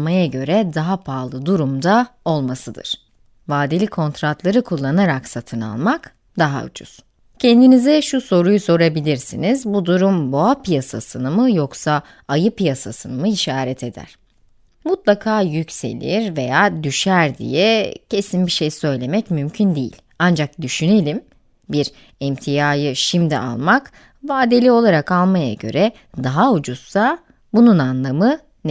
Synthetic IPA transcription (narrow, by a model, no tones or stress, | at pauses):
majaɟø̞ɾɛd̪aɦapʰaːlˠɯd̪uɾumd̪ao̞lˠmasɯd̪ɯ̰ɾ̥ | vaːd̪ilʲikʰo̞nt̪ɾat̪lˠaɾɯkʰulˠːanaɾaksat̪ʰɯna̰lˠmak | d̪aɦa̰ṵd͡ʒʰṵz̥ | cʰɛnd̪inizɛʃuso̞ɾujuso̞ɾabilʲiɾsinizbud̪uɾumboapijasa̰sɯnɯmɯjo̞ksa | ajɯpijasasɯnɯmɯiʃaːɾɛt̪ʰe̞d̪æ̰ɾ̥ | mut̪lˠakʰaːjycse̞̰lʲḭɾve̞jaːd̪yʃæɾd̪ḭjɛcʰe̞sinbiʃe̞jsø̞jlʲe̞mɛcmymcʰynd̪ejḭlʲ | and͡ʒak̚d̪yʃyne̞lʲim | biɾ | ɛmt̪ʰijaːjɯʃimd̪ḭʔa̰lˠmak | vaːd̪elʲio̞lˠaɾakalˠmaja̰ɟø̞̰ɾɛ | d̪aɦaud͡ʒussa | bununanlˠamɯ | n